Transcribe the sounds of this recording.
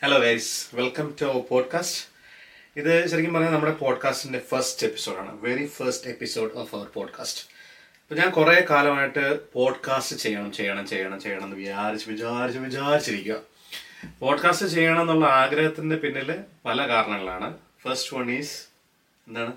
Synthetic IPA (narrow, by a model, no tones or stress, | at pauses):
heloːɡajsʋelkɐmtupo̞ːɖkaːst | iðɨɕɐɾikʲːɐmpɐrɐɲːɐnɐmːuɽepo̞ːɖkaːstinde̞fɐrstepːi̥so̞ːɖaːɳɨ̰ʋeɾifɐrsʈe̞pːiso̞ːɖofɐʋɐrpoːɖkʰa̰ːst | ɐpːoːɲaːnkureːkaːlɐmaːjiʈːɨpo̞ːɖkaːstɨt͡ɕe̞jːɐɳɐmt͡ɕejːɐɳɐmt͡ɕejːɐɳɐmt͡ɕe̞jːaːɳɐenːɨʋiaːɾit͡ɕːɨʋit͡ɕaːɾit͡ɕːuʋit͡ɕaːɾit͡ɕːiɾikʲːuɣɐ | po̞ːɖkaːstɨt͡ɕe̞jːɐaɳɐme̞nːuɭːɐaːɡɾɐɦɐt̪ːindepinːilʋɐlɐkaːɾɐɳɐŋːɐɭa̰ːɳɨ | fɐrsʈɨʋɐɳiːs | enːaːɳɨ